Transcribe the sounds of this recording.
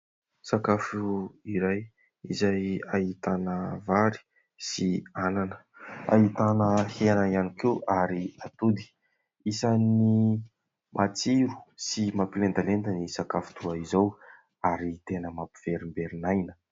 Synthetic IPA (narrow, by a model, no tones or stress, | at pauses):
sakafuiɾaj | izajahit̪anəvaɾi̥ | siananə̥a̰ɦit̪anəhenaianikewaɾiat̪ud̪i̥ | isani | mʔat͡siɾu̥simapilend̪alent̪ənisakafu̥t̪ʰuaizow | aɾit̪enəmapi̥v̥eɾimbeɾinajnə̥